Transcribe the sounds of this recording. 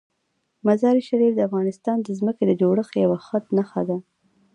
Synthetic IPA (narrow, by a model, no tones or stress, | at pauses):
mazɑɾiʃaɾifd̪əafɣɑnɪst̪ɑnd̪əzməked̪əd͡ʒoɽəxjawaxət̪naxad̪a